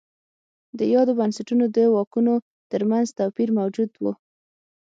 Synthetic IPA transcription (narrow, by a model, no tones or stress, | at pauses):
d̪əjɑd̪obansaʈunod̪əwɑkuno | t̪əɾmanzt̪apiɾmawd͡ʒud̪wu